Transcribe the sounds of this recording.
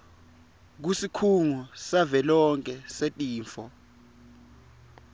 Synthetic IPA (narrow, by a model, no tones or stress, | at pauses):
k̬usikʰuŋusavɛlɔŋkʼɛsetʼiːɱfɔ